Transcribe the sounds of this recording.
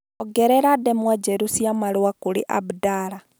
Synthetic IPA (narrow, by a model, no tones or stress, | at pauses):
ɔɡɛɾɛɾadɛmwad͡ʒɛɾusjamaluwakulḭʔa̰budaɾa